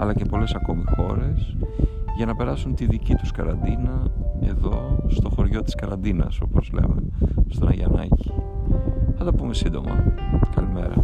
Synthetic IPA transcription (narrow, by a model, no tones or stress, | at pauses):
ɐ̰lɐce̞po̞le̞sɐko̞mixo̞ɾe̞sʝɐnɐpe̞ɾɐsunt̪iðicit̪u̥skɐɾɐnd̪inɐe̞̰ðo̞st̪o̞xo̞ɾʝo̞t̪i̥skɐɾɐnd̪inɐ̰so̞po̞zle̞̰mḛst̪onɐʝɐnɐ̰ci̥ | ɐnd̪ɐpume̞sind̪o̞mɐ̰kɐlime̞ɾɐ̰